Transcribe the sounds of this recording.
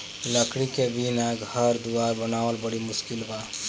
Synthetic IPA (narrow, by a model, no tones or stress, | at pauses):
ləkɽikebinaɡʱəɾd̪uwaɾbənaəlbəɽimuskilba